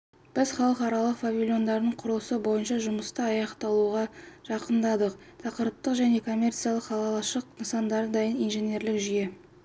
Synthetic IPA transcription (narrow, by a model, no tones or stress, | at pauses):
b̥ɪzχɑlˠəqɑɾɑlˠəqfavʲilʲjo̞nd̪ɑɾd̪əɴqʰʊɾəlˠəsəbo̞jənʃɑʒʊməst̪əɑjɑqt̪ɑlˠuʁɑʒ̥ɑqənd̪ɑd̪əq | t̪ʰɑqəɾt̪ːəqʒæne̞kʰo̞mʲːe̞rt̪sijalˠəqχɑlˠɑlˠɑʃəq̚nəsɑnd̪ɑɾəd̪ɑjənijnʒe̞ne̞ɾlɪkʒʏje̞